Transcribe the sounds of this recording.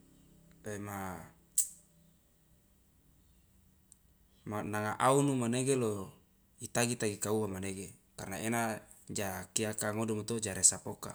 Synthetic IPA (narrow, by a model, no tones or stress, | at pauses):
tema | manaŋaʔaunumaneɡelo | it̪aɡit̪aɡikauwamaneɡekarnaena | d͡ʒakiakaŋodumat̪od͡ʒaɾesapoka̰